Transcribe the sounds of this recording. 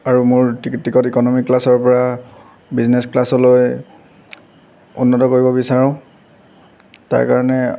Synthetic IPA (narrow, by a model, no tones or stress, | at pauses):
aɹumʊɹtiktːikɔtikɔnɔmikːlasɔɹpɔɹa | biznesklasɔloj | ṵnːɔtɔkoɹibɔbisaɹʊ̃ | ta̰ɹka̰ɹɔnɛ